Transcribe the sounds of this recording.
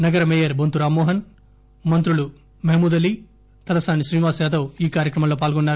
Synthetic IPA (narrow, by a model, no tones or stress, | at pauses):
nɐɡɐɾɐmeːjɐɾbʱont̪uɾaːmːɔːɦɐn | mɐnt̪ɾulu | mɐɦimuːd̪ɐli | t̪ɐlɐsaːniʃɾiːnʋaːsjaːt̪oːiːkaːɾjɐkɾɐmɐmlo̞ːp̬aːlɡɔnːaːɾu